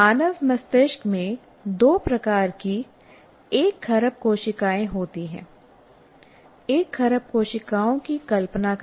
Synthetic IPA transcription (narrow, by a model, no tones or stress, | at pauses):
aːnəʋmɐst̪eʃkmẽ | d̪oːpɾɐkaːɾki | eːkxɐɾəp̚koːʃɪkaːẽɦoːt̪iɦɛ̰̃ː | eːkxɐɾəp̚koːʃɪkaːõkikɐlpnak